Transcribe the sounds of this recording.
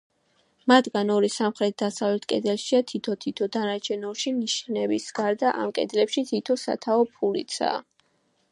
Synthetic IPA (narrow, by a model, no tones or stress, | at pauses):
mat̪ʰɡanɔɾisamχɾɛt̪̚ʰd̪asavlɛt̪ʰkʼɛd̪ɛlʃiat̪ʰit̪ʰɔt̪ʰit̪ʰɔd̪anat͡ʃʰɛnɔʃiniʃnɛbisɡ̥aɾd̪aʔa̰mkʼɛ̰d̪lɛpʃit̪ʰit̪ʰɔsa̰t̪ʰaɔpʰulḭt̪sʰa̰ː